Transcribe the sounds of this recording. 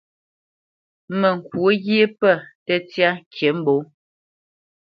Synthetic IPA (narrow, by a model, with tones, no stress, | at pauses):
mɛ˨ŋ̩˨kwo˦ɣe˦pə˦˨tɛ˦tja˦ŋ˦kʰe˨˦m̩˦bo˨˦